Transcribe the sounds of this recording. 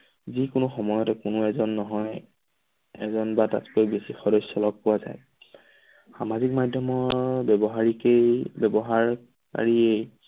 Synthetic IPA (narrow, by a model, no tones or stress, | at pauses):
zikʊnʊxɔmɔjɔtɛkʊnʊɛzɔnːɔɦɔj | ɛ̰zɔnbata̰tkojbesixɔdɔsɔlɔk̚pʊwaza̰j | xamazik̚madʱjɔmɔɹbɛbɔɦaɹikejbɛbɔɦaɹ | ka̰ɹiej